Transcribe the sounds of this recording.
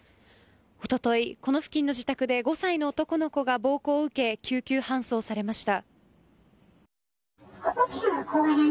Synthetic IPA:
o̞t̪o̞t̪o̞iko̞no̞ɸɯ̟̥kʲĩnːo̞ʑit̪akɯ̟d̪e̞ɡo̞saino̞ːt̪o̞ko̞no̞ko̞ɡabo̞ːko̞ːɯ̟ke̞kʲʰɨːkʲɨːhãɰ̃so̞ːsaɾe̞maɕi̥t̪a

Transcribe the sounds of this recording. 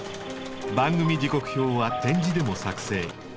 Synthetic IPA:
bãŋɡɯmʲid͡ʑiko̞kɯ̟̥ço̞ːβat̪ẽ̞ɲd͡ʑid̪e̞mo̞sakɯ̟̥se̞ː

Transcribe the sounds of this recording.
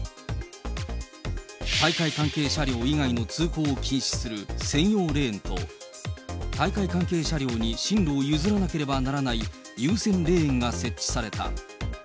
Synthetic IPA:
t̪aikaikãŋke̞ːɕaɾʲo̞ːiɡaino̞t͡sɨːko̞ːkʲʰĩɰ̃ɕi̥sɨɾɯ̟sẽ̞ɰ̃jo̞ːɾe̞ːẽnt̪o̞̰ | t̪aikaikãŋke̞ːɕaɾʲjo̞ːɲ̟iɕĩnɾoːjɯ̟zɨɾanake̞ɾe̞banaɾanai | jɯːsẽ̞nɾẽ̞ːŋɡase̞t͡ɕt͡ɕːi̥saɾe̞t̪a̰

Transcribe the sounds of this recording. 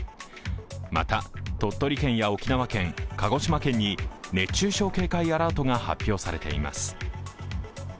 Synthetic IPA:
ma̰t̪at̪o̞t̪ːo̞ɾʲikẽ̞ɰ̃jao̞kʲinaβakẽ̞ŋkaɡo̞ɕimakẽ̞ɲ̟ːine̞t͡ɕɨːɕo̞ːke̞ːkaiaɾaːt̪o̞ŋaha̰pʲːjo̞ːsaɾe̞t̪e̞ḭma̰sɨ̥

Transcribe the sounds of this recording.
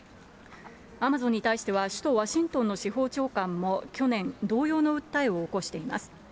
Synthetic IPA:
amazõ̞ɲ̟ːit̪aiɕi̥t̪e̞β̞aɕɨ̥t̪o̞βaɕĩnt̪onːo̞ɕiɦo̞ːt͡ɕo̞ːkãmːo̞kʲo̞nẽ̞nd̪o̞ːjo̞ːno̞ɯ̟t̪ːaio̞ːko̞ɕi̥t̪e̞ima̰sɨ̥

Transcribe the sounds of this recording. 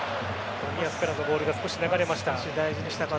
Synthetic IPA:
omʲiasɨ̥pɯɾãnːobo̞ːɾɯ̟ɡasɨ̥ko̞ɕinaɡaɾe̞maɕi̥t̪aɕid̪aiʑiɲ̟iɕi̥t̪aka

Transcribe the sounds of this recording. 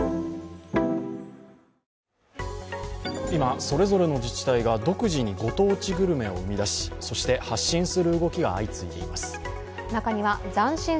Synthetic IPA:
imaso̞ɾe̞zo̞ɾe̞no̞d͡ʑit͡ɕi̥t̪aiɡad̪o̞kɯ̟ʑiɲ̟iɡo̞t̪o̞ːt͡ɕiɡɯ̟ɾɯ̟me̞o̞ɯ̟mʲid̪aɕi̥so̞ɕi̥t̪e̞haɕːĩɰ̃sɨɾɯ̟ɯɡo̞kʲiɡa̰ːit͡sɨid̪e̞̰ḭmasɨ̥ | nakaɲ̟iβad͡zãɰ̃ɕĩ

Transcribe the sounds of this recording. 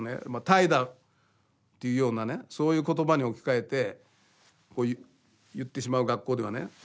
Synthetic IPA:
nḛmat̪aid̪a | t̪ːe̞jɯ̟jo̞ːnaneso̞ːjɯ̟ːko̞t̪o̞baɲ̟io̞kʲi̥kae̞t̪e̞ | ko̞ːj | jɯ̟t̪ːe̞ɕimaɯ̟ɡakːo̞ːd̪e̞β̞anḛ

